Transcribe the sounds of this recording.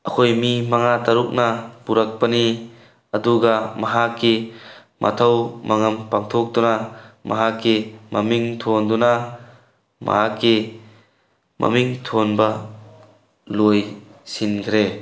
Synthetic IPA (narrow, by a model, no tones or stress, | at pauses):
ʔɐkʰojmimɐŋat̪ɐɾuk̚nɐpuɾɐk̚pɐni | ɐd̪uɡɐmɐɦakːi | mʔɐ̰t̪ʰɐwmɐŋɐmpaŋt̪ʰok̚d̪unamɐ̰ɦakːimɐmiŋt̪ʰond̪unɐ | mɐ̰ɦakːi | mɐ̰miŋt̪ʰonbɐ | lojsinkʰɾe